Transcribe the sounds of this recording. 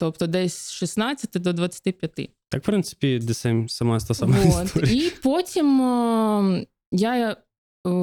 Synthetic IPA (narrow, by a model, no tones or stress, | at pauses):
t̪ɔp̚t̪ɔd̪ɛsʲsʃisnɑt͡sʲːɐt̪ɪd̪ɔd̪ʋɐt͡sʲːɐ̥t̪ɪpʲjɐt̪ɪ̰t̪ɑkpɾɪnsɨ̥pʲid̪ɪsɛmsɐmast̪asamaost̪ɔɾʲiipotʲim | ja